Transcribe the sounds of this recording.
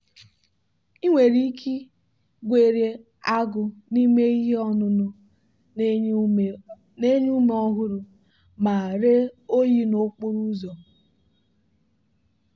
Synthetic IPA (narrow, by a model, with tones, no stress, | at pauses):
i˦ŋʷe˨ɾi˦kʰi˦ | ɡʷe˨ɾje˦ | a˦ɡʊ˨ni˦me˦i˦ɦe˦ɔ˦nʊ˦nʊ˦ | ne˦ɲu˦me˨ɔ˦ɦʊ˦ɾʊ˨ | ma˨ɾe˦o˦ji˦no˦k͡pʊ˦ɾu˦zɔ˨